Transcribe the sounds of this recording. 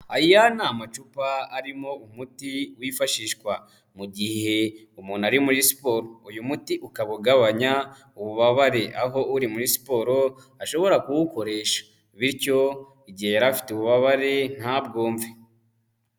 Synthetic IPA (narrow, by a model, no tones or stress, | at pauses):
ajijanaːmat͡ʃupaːɾimo̞umutiwifaʃiːʃkwa | muɟihe̞ | umuːnaɾimuɾisi̥po̞ːɾoujumutiʔukaβuɡaβaɲa | uβuβaβaɾe̞ʔaɦo̞uɾimuɾisi̥po̞ːɾo̞ | aʃo̞βo̞ɾakuwuko̞ɾe̞ːʃḁ | βiɾco̞ | iɟihejaɾafi̥teuβuβaβaɾe̞n̥habɡoːɱve